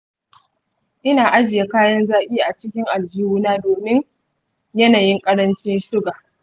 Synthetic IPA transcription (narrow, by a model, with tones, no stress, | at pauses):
ʔɪ˦naː˨ʔa˦d͡ʒɪ˨je˦kaː˦jɐ˦nzaː˦ʔʲʼiː˦ʔa˨t͡ʃɪ˦kʲɪ˦ŋʔa˨ld͡ʒiː˦wu˦naː˦doː˨mɪ˦ŋ | jɐ˦naː˨jɪ˦ŋkʼɐ˦ɽɐ˦nt͡ʃɪ˦nʃɪ˦ɡaː˨